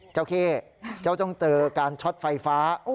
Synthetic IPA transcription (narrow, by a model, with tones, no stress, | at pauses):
t͡ɕa˥˩wkʰeː˥˩ | t͡ɕa˥˩wt̪ɔ˥˩ŋt̪ɤː˧kaː˧nt͡ɕʰo˦˥t̪̚fa˧jfaː˦˥